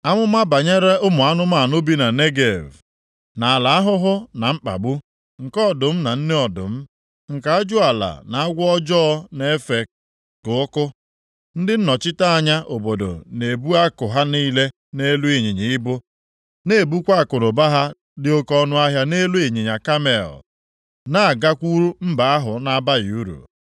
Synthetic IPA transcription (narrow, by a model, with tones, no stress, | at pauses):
a˦ŋʷʊ˦ma˦ba˨ɲe˦ɾe˦ʊ˦mʊ˨a˦nʊ˦ma˦˨nʊ˦bi˦na˨ne˦ɡe˨v | na˨a˨la˨a˦ɦʊ˦ɦʊ˦na˨m̩˦k͡pa̰˨ɡ͡bu˦ | ŋ̩˨kɔ˦˨dʊ˨m̩˦na˨n̩˦ne˦ɔ˨dʊ̰˨m̩˦ | ŋ̩˨ka˦a˦d͡ʒʊ˦a˨la̰˨na˨a˦ɡʷɔ˦d͡ʒɔ˦ne˦e˦fe˨k̚ | kʊ˨ʊ˦kʊ˦ | n̩˦dɪ˦n̩˦nɔ˨t͡ʃɪ˦ta˦a˦˨ɲa˦ʔo˨bo˨do̰˨ne˨bu˦a˦kʊ˨ɦa˦niː˦le˦ | ne˦lu˦e˨ɲi˨ɲi˨ɪ˦bʊ˦ | ne˨bu˦kʷa˦˨kʊ˨ɾʊ˨ba˦ɦa˦ | dɪ˦o˦kɔ˦nʊ˦a˦ɦja˦ne˦lu˦e˨ɲi˨ɲa˨ka˦me˨ɔ̰˨ | na˦˨a˨ɡa˦kʷu˦ɾu˦m̩˦ba˨a˦ɦʊ˨na˦ba˦ji˨u˦ɾṵ˨